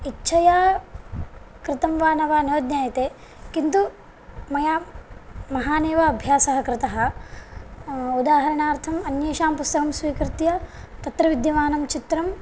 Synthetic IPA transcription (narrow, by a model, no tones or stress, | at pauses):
itːʃʰɐjaː | kɾɪt̪ɐmʋaːnɐʋaːnjoːd̪njaːjɐt̪eː | kint̪u | mɐjaː | mɐɦaːneːʋɐɐbʱjaːsɐɦɐkɾɪt̪ɐɦɐ̆ | ud̪aːɦɐɾɐɳaːɾt̪ʰɐmɐnjeːʃaːmpust̪ɐɦɐmsʋiːkɾɪt̪jɐt̪ɐt̪ɾɐʋid̪jɐʋaːnɐmt͡ʃit̪ɾɐm